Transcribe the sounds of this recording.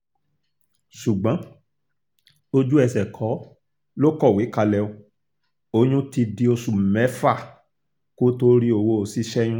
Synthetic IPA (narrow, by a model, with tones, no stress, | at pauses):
ʃu˨ɡ͡bã˨˦ | o˧d͡ʒu˦ɛ˧sɛ˨kʰɔ˨˦ | lo˦kɔ˦˨we˨˦ka˧lɛ˧o˧ | o˧˦ɲ̃ũ˦ti˧di˧o˧su˨mɛ˨˦fa˦˨ | ko˦to˧˦ɾi˦o˧˨wo˧o˨si˧ʃɛ˦j̃ũ˦